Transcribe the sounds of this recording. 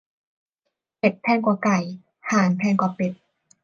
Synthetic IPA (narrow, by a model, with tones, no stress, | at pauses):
pe˨˩t̪̚pʰɛː˧nkwaː˨˩ka˨˩j | haː˨˩˦ŋp̪ʰɛː˧˥˩nkwaː˨˩pe˨˩t̪̚